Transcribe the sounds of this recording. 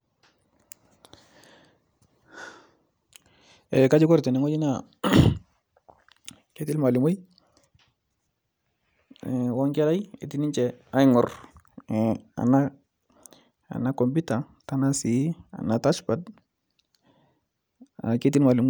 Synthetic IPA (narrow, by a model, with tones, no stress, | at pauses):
e˨ka˦d͡ʒi˦ko˦ɾte˨ni˨ŋo˦d͡ʒi˦na˨ | ke˦ti˦lma˨li˨mu˦j | wɔ˦ŋke˦la˦jḛ˨ti˦ni˦ɲt͡ʃɛ˨a˦ŋɔ˨ɾ | a̰˨na˦ | a̰˨na˦ko˨mbi˦ta˨ | ta˨na˦si˨˦a̰˨na˨ta˦t͡ʃpa˨d | a̰˨ke˦t̬i˦lma˨li˨m